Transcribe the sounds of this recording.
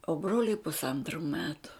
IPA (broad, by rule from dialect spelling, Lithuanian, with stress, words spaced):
oː ˈbroːlʲʊɪ pʊsˈɐntrʊ ˈmʲæːtʊ